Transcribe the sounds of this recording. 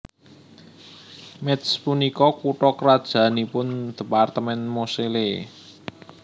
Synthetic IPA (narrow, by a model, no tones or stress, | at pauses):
mɛt̪spunikɔkuʈɔkəɾad̥ʒ̥ä̤nipʊnd̪̥ə̤part̪əmɛnmosele